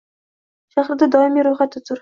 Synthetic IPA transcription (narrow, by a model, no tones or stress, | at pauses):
ʃaχɾd̪ad̪ɒɪmiɾʊjχat̪ːɪt̪ʰʊɾ